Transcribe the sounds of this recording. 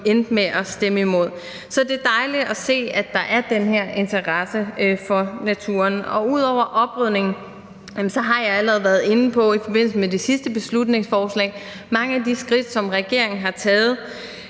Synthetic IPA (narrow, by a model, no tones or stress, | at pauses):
end̥meʔɒ̽sd̥eməimo̝ð̞̰ˠ | sɒ̽d̥e̝d̥ɑ̈ɪlidɒse̝̰ːæd̥ɑ̈ʔæɐd̥enɦæɐ̰ʔe̝nt͡sʰɐʁɑsəfɒ̽næt͡sʰṵːɐnɒ̽uð̞̰ˠɒʊ̰ɐʔɒ̽b̥ʁyð̰ˠne̝ŋn̩ | sɒ̽ɦɑ̈jɑ̈ɪæləʁɛð̞̩ˠʋæɐð̞ˠe̝nəpʰɒ̽ifɒ̽b̥e̝n̰l̩səmede̝sisd̥əb̥e̝slud̥ne̝ŋsfɒːslɛ̰ːɪ | mɑ̈ŋəæd̥isɡ̥ʁid̥sɒ̽mʁɛɡ̥e̝ɐ̰e̝ŋn̩ɦɑ̈t͡sʰɛːð̞̩ˠ